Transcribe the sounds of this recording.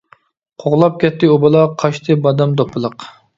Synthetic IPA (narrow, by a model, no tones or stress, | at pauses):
qʰoʁlˠɑp̚kʲʰɛt̪ːɪobɨlˠɑqʰɑʃt̪ʰɨbɑd̪ɛmd̪opʰːɨlˠəq